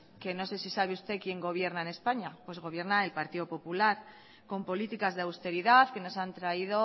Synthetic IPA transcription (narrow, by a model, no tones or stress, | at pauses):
ke̞no̞se̞sisaβeust̪e̞kje̞ŋɡo̞β̞je̞ɾnaene̞spaɲapwe̞zɣ̞o̞β̞je̞ɾnaelpaɾt̪iðo̞po̞pulaɾ | ko̞mpo̞lit̪ikazðeawst̪e̞ɾiðaθke̞no̞sant̪ɾaiðo̞